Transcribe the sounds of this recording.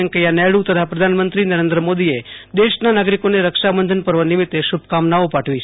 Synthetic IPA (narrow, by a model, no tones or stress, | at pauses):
əŋkejanɛɭut̪ət̪ʰapɾəd̪ʱanmənt̪ɾinəɾend̪ɾəmod̪ied̪eʃnanaɡɾikoneɾəkʃabənd̪ʱənpəɾʋənɪmit̪ːeʃub̚ʱkamnaopaʈʰʋi